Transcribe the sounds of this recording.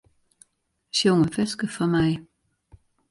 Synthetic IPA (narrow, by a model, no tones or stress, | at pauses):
soŋəfesɡ̥əfɒmɑɪ